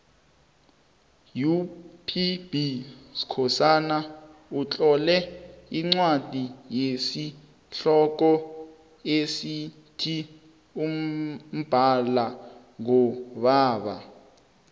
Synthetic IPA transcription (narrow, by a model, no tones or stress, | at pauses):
jupʰibisi̥kʰɔsanaut͡ɬʼɔlɛiŋ͡ǀwad̥ʱijesi | ɬɔk̬ɔ | esi | tʰi | um̩b̥ʱala | ŋɔɓaːɓa̰